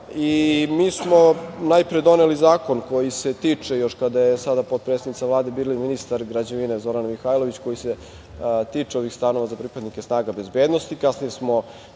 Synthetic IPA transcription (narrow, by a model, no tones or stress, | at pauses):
imiːsmo̞najpɾed̪o̞nelizaːko̞nko̞jiset̪iːt͡ʂejo̞ʃkad̪ajesad̪apo̞t̪̚pɾet̪ed̪nit̪savlaːd̪e̞biːliminist̪aɾɡɾad͡ʑeʋine̞zo̞ɾanmixajlˠo̞ʋit͡ɕko̞jise | t̪iːt͡ʂeo̞ʋixst̪ano̞ʋazapɾipad̪nikesnaːɡabe̞zbeːd̪nost̪ikasnijesmo̞